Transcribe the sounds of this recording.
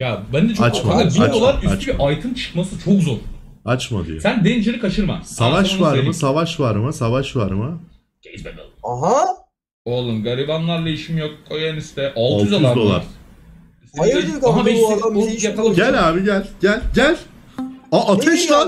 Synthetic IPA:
jabɛnd̪ɛt͡ʃʰat͡ʃmafakat̪biad̪olˠaɾyat͡ʃbiʔajt̪ʰɯnt͡ʃʰɯ̥kmasɯt͡ʃʰokzoɾat͡ʃma̰d̪ḭj̰sænd̪end͡ʒeɾikʰaʃɯɾma̰savaʃvaɾmɯsavaʃvaɾmɯsavaʃvaɾmɯ | ɟ̥ɛbɛd̪a̰lˠɯmɦa | olˠɯnɡaɾivanlˠaɾlˠaiʃimjok̚ajanist̪ɛʔalˠtalʰˠjyzaamd̪o̞lˠa̰ɾ | amabɛjakalˠɟɛlaːbiɟælʲɟælʲɟælʲ | aːt̪ʰɛʃlˠa

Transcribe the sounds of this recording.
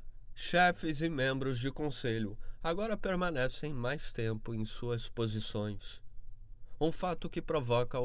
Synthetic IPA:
ʃɛfɪzɪmẽmbɾʊzd͡ʒɪkõseʎʊaɡɔɾɐpeɾmɐ̃nɛsẽj̃majst̪ẽpʊẽj̃suɐspozisõj̃s | ũfat̪ʊkɪpɾovɔkɐ

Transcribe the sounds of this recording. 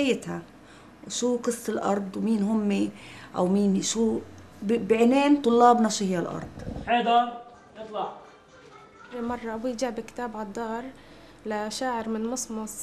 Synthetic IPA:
ajːɪt̪ha | wʃuːqɨsˤːɪlʔɑ̰ɾˤd̪ˤwmiːnɦʊmːeʔa̰wmiːnʃuː | bɪʕneːnt̪ˤʊlːɑːbnɑʃihɪjːalʔɑ̰ɾˤd̪ˤħeːd̪a | jɨt̪ˤlɑʕ | imɑrˤːɑʔabujd͡ʒaʕbɪkɪ̥t̪aːbʕɑd̪ˤːɑːɾˤ | laʃaːʕɪɾmɪnmʊsˤmʊsˤ

